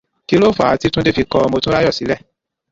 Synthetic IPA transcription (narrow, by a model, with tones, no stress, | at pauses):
ki˦lo˦fɔ˦a˨a˨˦ti˦tũ˦de˦fi˧kɔ˧ɔ˧mo˧tũ˦ɾa˦jɔ˦˨si˨˦lɛ˦˨